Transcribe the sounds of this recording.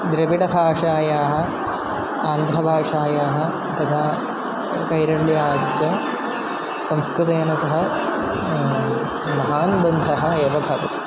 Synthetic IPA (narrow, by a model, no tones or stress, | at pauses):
d̪ɾɐʋiʈɐbʱaːʂaːjaːɦɐ̆ | aːnd̪ʱɾɐbʱaːʂaːjaːɦɐ̆ | t̪ɐt̪ʰaː | kɐjɾɐɾliaːʃt͡ʃɐ | sɐmskɾut̪̬ejːnɐsɐɦɐ | mɐɦaːnbɐnd̪ʱɐɦɐ̆eːʋɐbʱɐʋɐt̪i̥